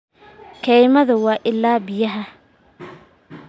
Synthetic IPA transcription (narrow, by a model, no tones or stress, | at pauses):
kʰɛjmɐðʊwɑːʔɪlːaːbɪjɐɦɐ